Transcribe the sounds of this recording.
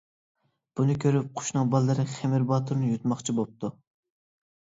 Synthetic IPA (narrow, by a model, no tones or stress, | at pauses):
b̥unɨkʲʰøɾyp̚qʰʊ̥ʃnɨŋbɑlˠːɨɾɨχemɪɾbɑːt̪ʰuɾnɨjut̪mɑχt͡ʃʰibop̚t̪ʰu